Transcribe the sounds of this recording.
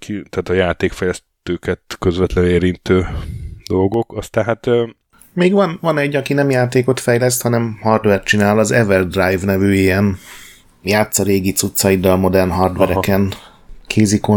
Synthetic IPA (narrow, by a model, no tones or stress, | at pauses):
kʰit̪ɛaːt̪ɒjaːt̪eːkfɛjlɛs | t̪øːkɛt̪køzvɛt̪lɛneːɾint̪øːd̪o̞lɡo̞kɒst̪anɦat̪ | meːɡʋɒnvɒnɛɟːɒkinɛmjaːt̪eːko̞t̪fɛjlɛst̪hɒnɛmhɒrd̪ʋɛrt̪t͡ʃinaːlɒzɛvɛld̪rajvnɛvyːjeːɛn | jaːt̪sɒɾeːɡit̪sut̪sɒid̪ːɒlmo̞d̪ɛrnɦɒrd̪ʋɛɾɛkɛn | kʰeːziko